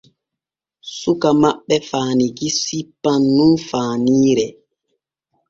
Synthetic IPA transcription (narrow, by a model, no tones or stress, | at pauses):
sukamaɓːɛfaːniɡisipːanːunfaːniːɾɛ